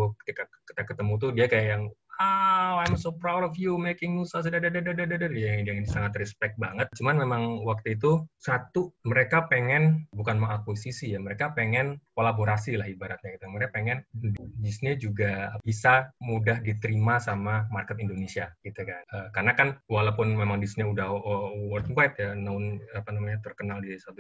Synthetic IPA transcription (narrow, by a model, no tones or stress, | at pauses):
kə̥t̪ikaki̥t̪akət̪əmut̪̬udiakajajaŋaajmsopɾawɾɔfjumekɪŋmusas̬dadadadadadadərjaŋaŋinsaŋat̪rɛspɛk̚t̪̚baŋət̪̚t͡ʃumanmemaŋwak̚t̪uit̪̬usat̪uməɾekapeŋɛnbukanmaŋakwisisijaməɾekapeŋɛnkolaboɾasilahibaɾat̪̚ɲaɡit̪uaməɾekapeŋɛndisiɲad͡ʒuɡabisamudahdit̪əɾimasamamarkət̪indonesiaɡ̥it̪ukanəkarənakanwalapʊnmemaŋdisiɲaudahəwɔrt̪wajt̪̚janaʊnapanamaɲat̪ərkənaldisəwat̪u